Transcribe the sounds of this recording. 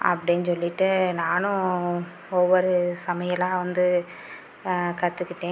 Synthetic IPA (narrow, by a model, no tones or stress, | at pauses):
ɐ̰pːɐɽɪnːsɔlːɪʈːɯnaːnʊ̃ | ɔʋːɔɾɯsɐmɐjɐlãːʋɐnd̪ɯ | kɐt̪ːɯkːɪʈːẽː